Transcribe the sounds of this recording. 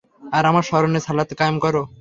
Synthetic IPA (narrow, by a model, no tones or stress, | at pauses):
aɾamaɾʃɔɾonesalat̪kamkɔɾo